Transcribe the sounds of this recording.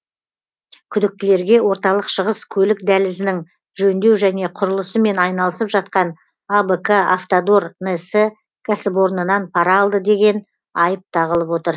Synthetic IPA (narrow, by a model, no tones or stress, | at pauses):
kʲʰʏd̪ɪk̚t̪ɪle̞ɾɡʲe̞wo̞ɾt̪ɑlˠəqʃəʁəskʲʰɵlɪk̚d̪ælɪzɪnɪŋ | ʒɵnd̪e̞wʒæne̞qʰʊɾəlˠəsəme̞nɑjnɑlˠəsəpʒɑt̪̚qɑn | abəkaaft̪od̪ornesɪ | kʲʰasɪp̬o̞ɾnənɑnpʰɑɾɑːlˠd̪əd̪e̞ɡʲe̞n | ɑjəp̚t̪ʰɑʁəlˠəpwo̞t̪əɾ